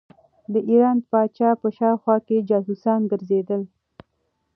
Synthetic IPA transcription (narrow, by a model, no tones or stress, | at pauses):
d̪əʔiɾɑnpɑt͡ʃɑpəʃɑwxwɑked͡ʒɑsusɑnɡəɾzed̪əl